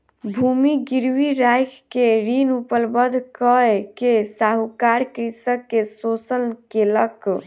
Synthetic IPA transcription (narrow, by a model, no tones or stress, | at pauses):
bʱumiɡiɾwiɾajkʰkeɾinupəlbəd̪ʱkəkesaɦukaɾkɾisəkːesosənkelək